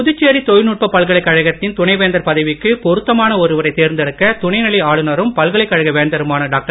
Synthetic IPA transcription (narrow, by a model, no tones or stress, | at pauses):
pʊðɯt͡ʃːeːɾit̪ɔjɪnuːʈ̚pɐpːɐlɣɐɭɐɪkːɐɻɐɣɐt̪ːɪnt̪ʊɳɐɪʋeːnd̪ɐɾpɐðɪʋɪkːɯpɔɾɯt̪ːɐmaːnɐɔɾɯʋɐɾɐɪt̪eːɾnd̪ɐɽɯkːɐt̪ʊɳɐɪnɐɭiaːɭɯnɐɾɯmpɐlɣɐɭɐɪkːɐɻɐɣɐʋeːnd̪ɐɾɯmaːnɐɖaːk̚ʈɐɾ